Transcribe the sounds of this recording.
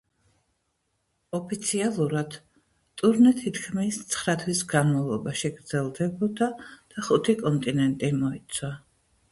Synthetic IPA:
ɔpʰit̪sʰialˠuɾad̪̥ | t̪ʼuɾnɛt̪ʰit̪ʰkʰmist̪sʰχɾat̪ʰwisɡanmalˠɔbaʃiɡɾd̪zɛlˠd̪ɛbɔd̪ad̪̥aχut̪ʰikʼɔnt̪ʼinɛnt̪ʼimɔit̪sʰwa

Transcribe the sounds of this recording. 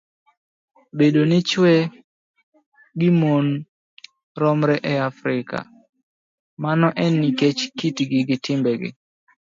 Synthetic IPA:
bedonɪt͡ʃwɛ | ɡɪmon | ɾɔmɾɛʔɛafɾɪka̰ | manɔʔɛniket͡ʃkitɡɪɡɪtɪmbɛɡɪ̰

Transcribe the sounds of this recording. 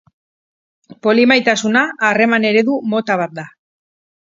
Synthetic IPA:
po̞limajt̪asunaːre̞mane̞ɾe̞ðumo̞t̪aβ̞at̪̚d̪a

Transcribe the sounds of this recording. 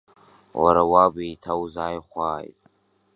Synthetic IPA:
wa̰ɾawabejtʰawzaːjχʷaːjtʼ

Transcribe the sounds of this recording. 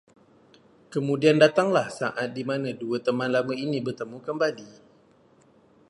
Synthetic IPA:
kəmudiandat̪aŋlahsa̰ʔat̪̚dimanaduət̪əmanlaməinibərt̪əmukəmbali

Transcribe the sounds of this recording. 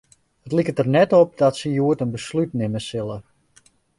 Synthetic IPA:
hətlikətərnɛtɔp̚dɔtsəjuətənbəslytnɪməsɪlˠə

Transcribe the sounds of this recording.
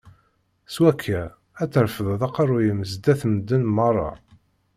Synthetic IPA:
swækʰːæ | æt͡sːəɾfəðˤðˤɑqɑrˤːʊjəməzd̪æθmd̪ːənmɑrˤːɑ̰

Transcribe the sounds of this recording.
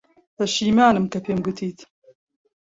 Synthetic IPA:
t̪ɐʃiːmaːnɨmkɐpʰeːmɡʊt̪ʰiːt̪

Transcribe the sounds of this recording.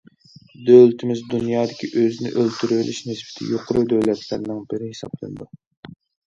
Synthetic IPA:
d̪ølt̪ʰɪmɪzd̪unjɑːd̪ɪkʲiʔøzɪnɪ̰ʔølt̪ʰyɾylʔɪʃnɨsbɪ̥t̪ʰɪ̰joqʰʊɾud̪øwlɛt̪ʰlæ̰ɾnɨŋbɪɾɪhesɑ̰b̥lˠɨ̰nɨd̪u

